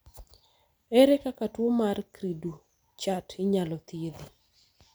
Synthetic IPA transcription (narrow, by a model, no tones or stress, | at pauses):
ɛɾekakatwomarkɾidu | t͡ʃatʰɪɲalɔt̪jed̪i